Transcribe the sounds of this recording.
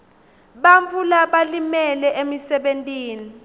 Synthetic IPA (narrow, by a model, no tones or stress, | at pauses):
ɓaɱvulaɓalimɛlɛʔemisɛɓentʼiːni